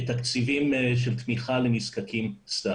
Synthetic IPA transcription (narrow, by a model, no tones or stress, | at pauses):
t̪akt͡sivimʃ̬elt̪miχalemiskakʰimst̪a